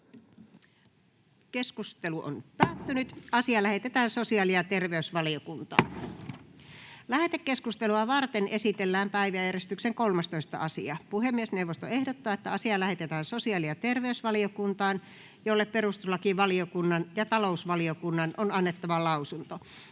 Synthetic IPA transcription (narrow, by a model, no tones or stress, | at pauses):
keskust̪eluʔo̰npæːt̪ːynyt̪ɑsiɑlæhe̞t̪et̪æːnsosiɑliɑt̪erʋeysʋɑliokunt̪ɑ̰ː | læhet̪ekːeskust̪eluɑʋɑrt̪enʔesit̪elːæːmpæiʋæjærest̪ykseŋkolmɑst̪oist̪ɑ̰ɑsiɑpuhemːiesneuwʋːost̪oehdot̪ːɑːet̪ːæɑsiɑlæhet̪et̪æːnsosiɑliɑt̪erʋeysʋɑliokunt̪ɑːn | jolːepperust̪uslːɑkiʋɑliokunːɑnjɑt̪ɑlousʋɑliokunːɑnʔonɑnːet̪ːɑʋɑlɑusunt̪o